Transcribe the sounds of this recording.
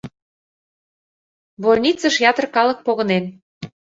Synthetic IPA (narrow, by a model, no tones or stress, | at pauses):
βolʲnʲit͡səʃjɑt̪ə̆rkɑlə̆k̚poɣɤ̆nen